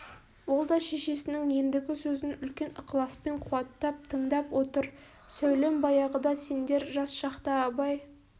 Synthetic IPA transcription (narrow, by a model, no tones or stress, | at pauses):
wo̞lˠd̪ɑʃe̞ʃe̞sɪnɪŋje̞nd̪ɪɡʲɪsɵzɪnʏlkʲe̞nqlˠɑspe̞ɴqʰuɑt̪ːɑp̚t̪ʰəɴd̪ɑpwʔo̞t̪əɾ | sæwle̞mbɑjɑʁəd̪ɑse̞nd̪e̞ɾʒɑsʃɑqt̪ɑɑbɑj